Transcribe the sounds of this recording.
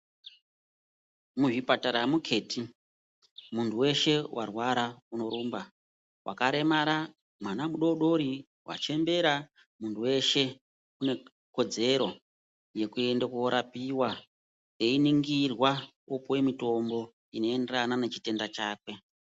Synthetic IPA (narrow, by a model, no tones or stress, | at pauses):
muʐipataɾamukʰe̞ːti | muntʰuwe̞ʃe̞wʔa̰rwaɾauno̞ɾuːmba | wʔa̰kaɾe̞maɾa | mwanamuɗo̞ɗo̞ɾi | wa̰t͡ʃe̞mbe̞ɾa | muntʰuwe̞ʃe̞ | kune̞ | ko̞d͡ze̞ɾo̞ | je̞kue̞ndakuoɾʔapiwa | einiŋɡirwa | opowe̞mito̞mbo̞ | ino̞e̞nderananet͡ʃi̥te̞ndat͡ʃaːkwe̞